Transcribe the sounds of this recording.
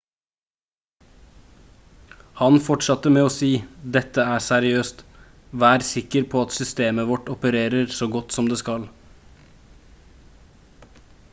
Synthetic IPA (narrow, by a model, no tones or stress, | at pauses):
hɑnfɔʈʂɑt̪əmeːoːsiːd̪ɛt̪ːəæːsæɾɪøːst̪ | ʋæːɾsɪkəɾpʰoːɑt̪sʏst̪eːməʋɔʈɔpəɾeːɾəɾsoːɡɔt̪sɔmd̪eːskɑl